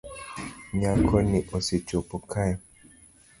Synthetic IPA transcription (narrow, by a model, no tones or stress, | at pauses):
ɲakʰɔniʔosit͡ʃopɔkʰajɔ